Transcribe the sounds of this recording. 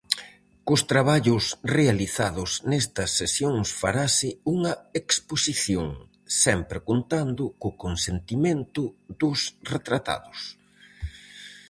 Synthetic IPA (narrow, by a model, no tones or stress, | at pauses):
kʊst̪ɾaβaʎʊsrealiθaðʊsnɛst̪ɐsːesjoŋsfaɾasɪuŋɐeksposiθjoŋ | sɛmpɾɪkont̪and̪ʊkʊkonsent̪imẽnt̪ʊðʊsret̪ɾat̪a̰ðʊs